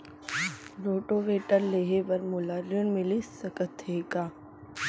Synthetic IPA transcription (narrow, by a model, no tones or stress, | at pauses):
ɾoːʈoːʋeːʈəɾleːɦebɐɾmʊlaːɾənmɪlisɐkət̪ɦeːkaː